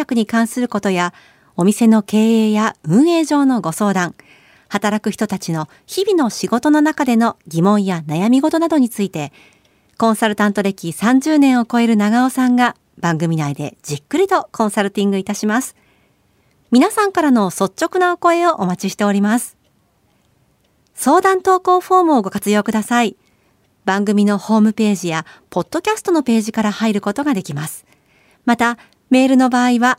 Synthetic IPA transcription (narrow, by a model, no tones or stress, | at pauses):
akɯ̟ɲ̟ikãɰ̃sɨɾɯ̟ko̞t̪o̞ja | o̞mʲise̞no̞ke̞ːeːjaɯ̟̃ɰ̃e̞ːʑo̞ːno̞ɡo̞so̞ːd̪ãŋ | hat̪aɾakɯ̟çi̥t̪o̞t̪at͡ɕino̞ | çibʲino̞ɕiɡo̞t̪o̞no̞nakad̪e̞no̞ɡʲimõ̞ɰ̃janajamʲiɡo̞t̪o̞nad̪o̞ɲ̟it͡sɨit̪e̞ | kõ̞ɰ̃saɾɯ̟t̪ãnt̪o̞ɾe̞kʲisãɲ̟d͡ʑɨːnẽ̞ɰ̃o̞ko̞e̞ɾɯ̟naɡaosãŋɡa | b̥ãŋɡɯ̟mʲinaid̪e̞̰d͡ʑikːɯ̟ɾʲit̪o̞kʰõ̞ɰ̃saɾɯ̟t̪ʲĩŋɡɯ̟it̪aɕimasɨ̥ | mʲinasãŋkaɾano̞so̞tt͡ɕːo̞kɯnaoko̞e̞o̞ʔomat͡ɕiɕi̥t̪e̞o̞ɾʲimasɨ̥ | so̞ːd̪ãnt̪o̞ːko̞ːɸo̞ːmɯ̟oɡo̞kat͡sɨjo̞ːkɯ̟d̪asai | bãŋɡɯ̟mʲino̞ho̞ːmɯ̟pe̞ːʑijapo̞d̪̥ːo̞kʲasɨ̥t̪o̞no̞pe̞ːʑikaɾahaiɾɯ̟ko̞t̪o̞ɡad̪e̞kʲimasɨ̥ | mat̪a | me̞ːɾɯ̟no̞baːiβa